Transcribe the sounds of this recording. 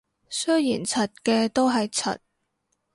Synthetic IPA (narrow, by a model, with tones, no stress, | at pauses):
sɵ˥jjiː˨˩nt͡sʰɐ˨t̚kɛː˧t̪o˥wɦɐ˨jt͡sʰɐ̰˨t̚